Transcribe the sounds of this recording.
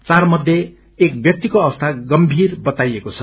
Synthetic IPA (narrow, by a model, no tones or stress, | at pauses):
t͡sarmʌd̪ʱje | ek̚bjʌk̚t̪ikoʌbʌst̪ʰaɡʌmbʱirbʌt̪ajekot͡sʰʌ